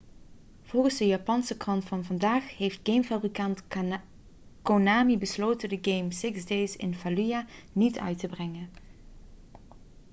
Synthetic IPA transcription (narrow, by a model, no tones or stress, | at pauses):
v̥ʊlˠɣənzdəjaːpɑnsəkrɑntfɑnvɑndaːxɦejft̚ɡ̥ejmfabrikɑnt | konaːmibəsloːtədəɡejmsɪksdejsɪ̰nfalyjanitœ̰ɥtəbrɛŋən